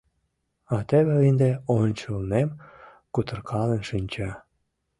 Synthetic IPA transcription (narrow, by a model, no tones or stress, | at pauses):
ɑt̪eβeind̪eonʲt͡ɕəlnem | kut̪ə̆rkʰɑlenʃinʲt͡ɕɑ